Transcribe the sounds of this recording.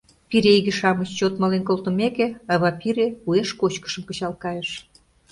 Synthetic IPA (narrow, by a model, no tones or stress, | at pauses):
piɾeiɣĕʃɑmət͡ɕt͡ɕot̪mɑlenkolt̪ə̆mekĕɑβɑpiɾeueʃkot͡ɕkə̥̆ʃə̆mkə̆t͡ɕɑlkɑjeʃ